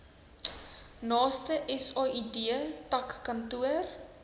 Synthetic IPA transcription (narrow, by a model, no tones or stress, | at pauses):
nɑːstəʔɛsɑːidiəpɐkːɐntuər